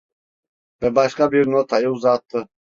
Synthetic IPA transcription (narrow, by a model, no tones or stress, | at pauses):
bɛbaʃkabiɾnɔt̪ʰajɔwzat̪ʰʼːə